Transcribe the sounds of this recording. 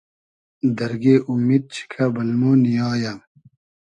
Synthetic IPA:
d̪ɐɾɡeːʔumːiːd̪̚t͡ɕʰi̥kʰɐbɐlmoːnijaːja

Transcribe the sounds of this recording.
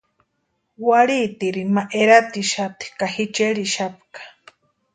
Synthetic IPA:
waɽit̪iɾimaʔeɾat̪iʃat̪i̥kahit͡ʃeɾiʃapkḁ

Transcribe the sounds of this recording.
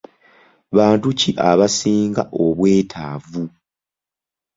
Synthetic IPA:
βaːntuciʔaβasiːŋɡa̰ʔo̞βwe̞ːtʰaːvu

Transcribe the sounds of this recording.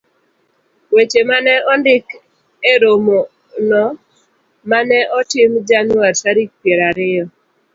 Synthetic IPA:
wet͡ʃemanɛʔɔndɪk | eɾomo | nɔ | manɛʔɔtɪmd͡ʒanwaɾsaɾik̚pjeɾaɾɪɔ

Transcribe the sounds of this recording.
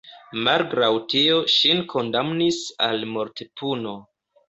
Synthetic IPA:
malɡɾawtio̞ʃinkʰo̞ndamnisa̰lmo̞ɾtepuno̞

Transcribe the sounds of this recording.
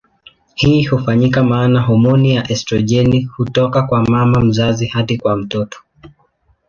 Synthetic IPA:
hiːhufaɲikamaːnaɦɔmɔnijaʔɛstɾɔʄɛnihutɔkakwamamam̩zazihatikwam̩tɔtɔ̥

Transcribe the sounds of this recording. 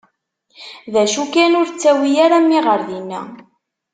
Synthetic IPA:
ðæʃukænʊɾt͡sːæwijaɾæmːiʁəɾðinːæ̰

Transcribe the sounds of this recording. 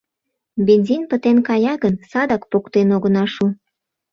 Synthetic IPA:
benʲzʲinpət̪enkɑjɑɣənsɑd̪ɑkpokt̪enoɣənɑʃu

